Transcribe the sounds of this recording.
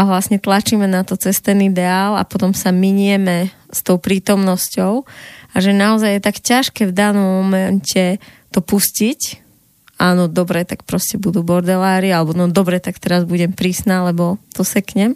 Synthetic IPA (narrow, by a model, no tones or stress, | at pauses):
aʋlasɲɛt̪lat͡ʃimɛnat̪ɔt͡sɛst̪ɛnid̪ɛaːla̰pɔt̪ɔmsamiɲɛmɛ | st̪ɔʊpɾiːt̪ɔmnɔscɔʊaʒɛnaɔzajjɛt̪akcaʃkɛːvd̪aːnɔmːɔmɛncʰɛt̪ɔpuscic | aːnɔd̪ɔbɾɛt̪ak̚pɾɔscɛbud̪uːbɔɾd̪ɛlaːɾialɛbɔnɔd̪ɔbɾɛt̪akt̪ɛɾazbuɟɛmpɾiːsnalɛbɔt̪ɔsɛkɲɛm